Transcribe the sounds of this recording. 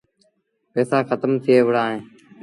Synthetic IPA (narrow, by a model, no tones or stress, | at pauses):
peːsãːxʰət̪əmt̪ʰɪeːʋəɽãːɦẽː